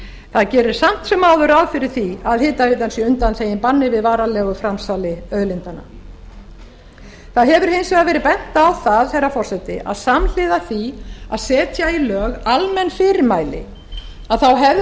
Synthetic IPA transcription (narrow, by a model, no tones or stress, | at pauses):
θaðcɛːɾʏɾ̥sam̥t̪sɛmːaːwðʏɾawfɪɾɪɾ̥θiaðhɪːt̪aɾɪt̪ansjɛʏnt̪anθeːjɪnpanːɪvɪðvaːɾalɛːɣʏfɾamsalɪœðlɪnt̪ana̰ | θaðɦɛvʏɾ̥hɪnsɛaðvɛːɾɪðpɛn̥t̪aːwθaðθɛjrːafɔr̥sɛt̪ɪʔa̰ðsaml̥ɪðaθia̰ðsɛːt̪jailœːɣalmɛnːfɪɾɪɾmaːjlɪ̰ | aðθawɦɛv